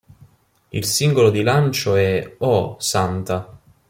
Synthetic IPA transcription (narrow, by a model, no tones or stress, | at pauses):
ḭlsiŋɡolod̪ilant͡ʃoɛɔsant̪a